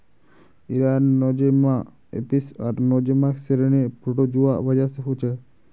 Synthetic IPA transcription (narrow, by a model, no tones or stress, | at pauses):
iɾanːɔd͡ʒema | ḛpisaɾnɔd͡ʒemakseɾenepɾoʈod͡ʒuʋaʔbad͡ʒaseɦot͡ʃʰe